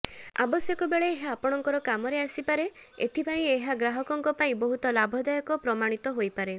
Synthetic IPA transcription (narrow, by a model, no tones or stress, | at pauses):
a̰bɔsjɔkɔbeɭeːɦaːpɔɽ̃ɔŋkɔɾɔkamɔɾeasipaɾeḛt̪ʰipaĩeɦaɡɾaɦɔkɔŋkɔpaĩbɔɦut̪ɔlabʱɔd̪ɔjɔkɔpɾɔmaɽ̃it̪ɔɦojpaɾe